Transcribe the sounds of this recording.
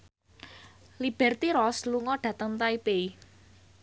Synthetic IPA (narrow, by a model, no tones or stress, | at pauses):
lib̥ɛrt̪iɾɔsluŋɔɖ̥ä̤t̪əŋt̪aipei